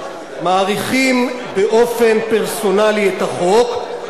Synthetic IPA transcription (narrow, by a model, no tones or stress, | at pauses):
maːʁiχim | beʔo̞fe̞npeʁso̞naliet̪aχo̞k